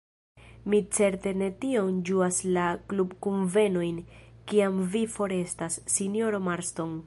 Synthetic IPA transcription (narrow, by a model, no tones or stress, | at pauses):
mit͡se̞ɾte̞ne̞tio̞nd͡ʒuaslaklubkunve̞no̞jnkiamvifo̞ɾe̞stasːinjo̞ɾo̞maɾstoŋ